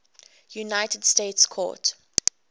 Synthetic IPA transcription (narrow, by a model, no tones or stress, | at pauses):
junaɪtəd̥steɪtskʰɔ̰ːt